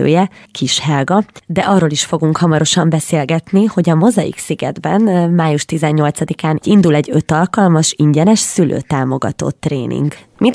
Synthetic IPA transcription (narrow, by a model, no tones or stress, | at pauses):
ø̰ːjɛkʰiʃhɛlɡɒd̪ɛʔɒrːoːliʃfo̞ɡuŋkhɒmɒɾoʃɒmbɛseːlɡɛt̪niho̞ɟɒmo̞zɒjḭksiɡɛ̰d̪bɛnmaːjuʃt̪izɛɲːo̞lt̪sɒd̪ikaːnind̪ulɛɟːø̞t̪ɒlkɒlmɒʃiɲɟɛnɛʃsylʔø̰ːt̪aːmo̞ɡɒ̰t̪o̰t̪ːrḛːnʔḭŋɡ | mi